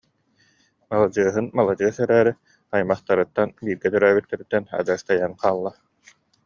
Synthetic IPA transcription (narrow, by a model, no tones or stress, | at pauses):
malˠad͡ʑɯɐɦɯnmalˠad͡ʑɯɐsɛɾæːɾi | ajmaχt̪aɾɯt̪ːanbiːɾɡɛt̪œɾœːbyt̪ːɛɾit̪ːɛna̰d͡ʑast̪ajanqaːlˠːa